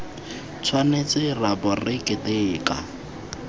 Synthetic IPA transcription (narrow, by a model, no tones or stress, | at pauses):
t͡sʰwanet͡sʼɪrabɔrɪkʼɪtʼeːka